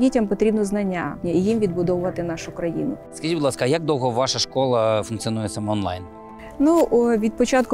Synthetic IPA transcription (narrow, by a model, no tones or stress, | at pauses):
itʲɐmpɔt̪ɾʲibnɔznɐnʲːaijimʋʲid̪bʊd̪ɔʋʊʋɐt̪ɪnɑʃʊkɾɐjḭnʊskɐʒidbd̪ˠɑskɐjaɡ̚d̪ɔwɦɔʋɑʃɐʃkɔlˠɐfʊnk̪siɔnujɛsɐmɔnlˠɑ̰jn | nuʋʲid̪̚pɔt͡ʃɑt̪̚kʊ